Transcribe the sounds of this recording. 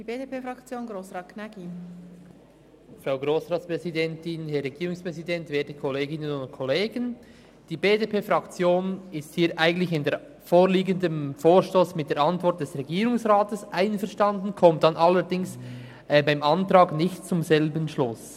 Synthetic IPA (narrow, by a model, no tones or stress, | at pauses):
d̥iːbeːdepeːfʁɑkt͡sjoːnɡɾoːsʁɑːtknaɡi | fʁaʊɡɾoːsʁɑːtspʁɛzidɛntɪnɦɛɾːɛɡiːɾʊŋspʁɛzidɛntveːtəkʰɔleːɡɪnənʊntkʰɔleːɡən | d̥iːbeːdepʰeːfɾɑkt͡sjoːnɪsthiːɾʔaɪɡən̩tlɪçɪnde | foːɾliːɡəndəmfoːɹʃtoːsmɪt̚d̥eːɾɑntvɔɾt̚d̥ɛsʁɛɡiːɾʊŋsʁaːtəsʔaɪnfɛʁʃtɑndn̩kʰɔmtd̥ɑnʔɑlːəɾdɪŋs | ʔɛːbaɪmʔɑntrɑːɡnɪçtt͡sʊmzɛlbənʃlʊs